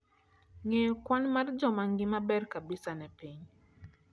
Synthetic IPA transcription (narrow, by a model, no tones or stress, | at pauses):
ŋejkwanmard͡ʒɔmaŋɡɪmabɛrkabɪsanɛpiɲ